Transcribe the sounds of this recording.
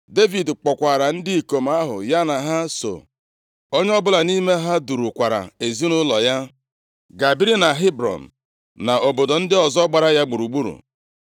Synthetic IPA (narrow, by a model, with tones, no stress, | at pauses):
de˦vi˨dk͡pɔ˨kʷa˨ɾa˨n̩˦dɪ˦i˨ko˨m̩˦a˦ɦʊ̰˨ja˦na˨ɦa˦so̰˨ | o˦ɲe˦ɔ˦bʊ˦la˨ni˦me˦ɦa˦du˨ɾu˨kʷa˨ɾa̰˨e˨zi˦nʊ˦lɔ˨ja˦ | ɡa˨bi˦ɾi˦na˨ɦi˦bɾɔ̰˨n̩˨ | na˨ʔo˨bo˨do˨n̩˦dɪ˦ɔ˨zɔ˦ɡ͡ba˨ɾa˦ja˦ɡ͡bu˨ɾu˨ɡ͡bu˦ɾṵ˨